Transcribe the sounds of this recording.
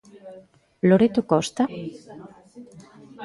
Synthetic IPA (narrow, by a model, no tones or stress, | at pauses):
loɾet̪okɔst̪a